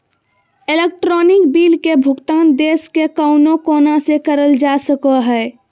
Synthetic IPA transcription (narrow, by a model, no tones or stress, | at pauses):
elek̚ʈɾɔːnɪkbiːlkebʱʊɡt̪aːnd̪eːskekəʊnokoːnasekəɾəld͡ʒasəkəɦɛ